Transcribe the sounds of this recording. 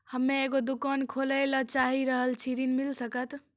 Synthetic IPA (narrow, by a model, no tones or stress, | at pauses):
həmːeeɡod̪ukənkʰoləɪlət͡ʃaɦiɾəɦəlt͡ʃʰiɾinmilsəkət̪